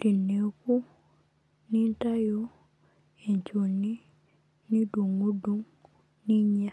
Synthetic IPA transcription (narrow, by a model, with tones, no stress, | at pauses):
di˨ne˨˦ku˦ | nĩ˦n̩˦ta˦jo˦ | e˨ɲ˨t͡ʃo˨nĩ˦ | nĩ˦do˨ŋɡo˦dõ˦ŋ | nĩ˦ɲ˦ã˦